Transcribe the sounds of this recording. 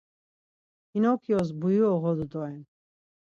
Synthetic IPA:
inɔkʰiɔz̬bujuɔʁɔd̪ud̪ɔɛn

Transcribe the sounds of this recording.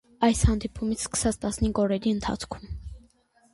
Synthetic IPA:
ɑjshɑnd̪ipʰumit͡sʰskə̥sɑt͡st̪ɑsniŋɡɔɾɛɾiənt̪ʰɑ̰t͡sʰkʰum

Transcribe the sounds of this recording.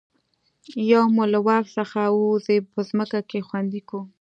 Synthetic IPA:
jawmulawɑksəxauzepəzməkakexwand̪iku

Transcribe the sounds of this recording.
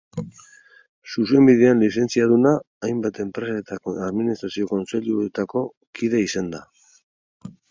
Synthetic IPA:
suse̞mbiðeanlise̞nt͡siaðunaː | jmbat̪e̞mpɾe̞saet̪aaðminist̪ɾasio̞ko̞nt͡se̞ʎuet̪ako̞ | kiðe̞isand̪a

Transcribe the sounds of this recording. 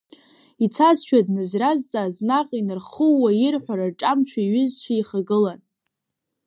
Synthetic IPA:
it͡sʰasʃᶣadnɨzrazt͡sʼaːznaqʼinɨrχəwːairħʷᶣaɾarʈ͡ʂʼamt͡ʃʷʰᶣaɥʏzʃʷʰaiχaɡɨlan

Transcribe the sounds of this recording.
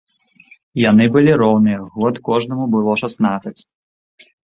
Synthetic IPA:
janɨbɨlʲiɾɔwnɨjɐɣɔt̪kɔʐnɐmubɨlˠɔʂasnat̪sɐt͡sʲ

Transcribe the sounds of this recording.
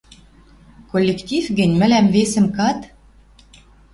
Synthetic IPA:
kolʲːekt̪ʲifɡɘ̆nʲmɘ̆læmvesə̆mkɑt̪

